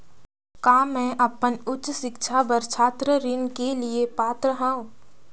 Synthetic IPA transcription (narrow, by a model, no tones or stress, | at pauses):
kaːmɛ̃ʔəpənʊtːt͡ʃsɪkʃʰabəɾt͡ʃʰaːt̪ɾəɾɪnkeliepaːt̪ɾəɦãːũː